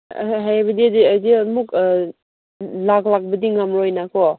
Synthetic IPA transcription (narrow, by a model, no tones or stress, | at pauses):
ɦajabɐdidiadimuk | laklak̚bɐdiŋamɾojnakɔ